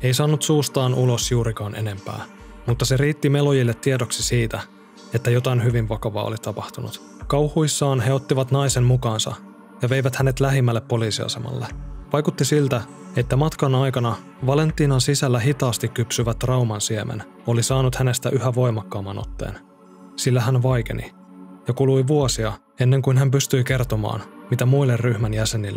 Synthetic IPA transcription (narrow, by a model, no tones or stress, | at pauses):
ejsɑːnːut̪suːst̪ɑːnʔulo̞sjuːɾikɑːnʔe̞̰ne̞mpæ̰ː | mut̪ːɑseɾiːt̪ːime̞lojilːet̪ːiedo̞ksisiːt̪æ | e̞t̪ːæjo̞t̪ɑinɦyʋinʋɑkɑʋɑ̰ːo̰lit̪ɑpɑht̪unṵt̪ | kɑwhuisːɑːnɦe̞o̞t̪ːiʋɑt̪nɑjsemmukɑːnsɑ̰ | jɑʋe̞jʋæt̪hæne̞t̪læɦimːælːe̞pːo̞liːsiɑ̰se̞̰mɑ̰lːeʋɑjkut̪ːisilt̪æ | e̞t̪ːæmɑt̪kɑnɑjkɑnɑ | ʋɑle̞nt̪ːiːnɑnsisælːæɦit̪ɑːst̪ikkypsyʋæt̪ːrɑwmɑnsiemʔḛn | o̞lisɑːnut̪hæne̞st̪æʔyhæʋo̞jmɑkːɑːmːɑno̞̰t̪ːe̞̰ːn | silːæɦænʋɑjk̟e̞̰nḭ | jɑkulujʋuosiɑ | e̞nːe̞ŋkuinɦæmpyst̪yjke̞rt̪o̞mɑ̰ːnmit̪æmujlːerryhmænjæse̞nilː